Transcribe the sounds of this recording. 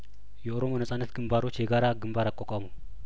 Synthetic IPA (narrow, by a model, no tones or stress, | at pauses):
jɛoɾomonəsʼanːət̪ɡɨmbaɾot͡ʃːjɛɡaɾaɡɨmbaɾakʼokʼamu